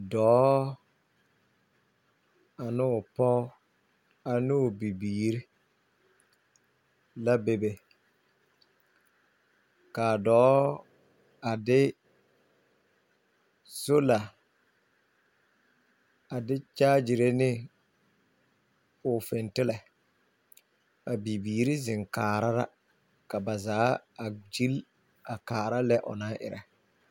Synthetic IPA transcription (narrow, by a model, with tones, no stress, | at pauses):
dɔː˨˦ | a˨nɪ˦ʊ˨pɔ˦ | a˨nɪ˦ʊ˨bi˨biː˨ɾɪ˦ | la˦be˨be˨ | kaː˨dɔː˨˦ | a˨dɪ˦ | so˦la˨ | a˨dɪ˦t͡ʃaː˦d͡ʒi˨ɾe˦nɪ˦ | ʊ˨fɪ˨ntɪ˦lɛ˨ | a˨bi˨biː˨ɾi˦zɪ˨ŋkaː˨ɾa˦ɾa̰˦ | ka˨ba˨zaː˨˦a˨d͡ʒi˦l | a˨kaː˨ɾa˦lɛ˦ʔʊ̰˨na˦ʔɪ̰˨ɾɛ̰˨